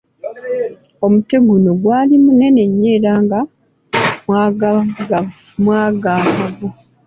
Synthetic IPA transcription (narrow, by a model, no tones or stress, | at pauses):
o̞muteɡunoɡwaːlimune̞ne̞ɲːe̞ːɾaːŋɡa | ma | mwaːɡaːkaɡo